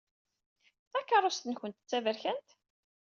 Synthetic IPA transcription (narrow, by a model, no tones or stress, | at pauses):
θɑkːɑrˤːost̪ənçənt̪ə̥t͡sːævəɾçænt̪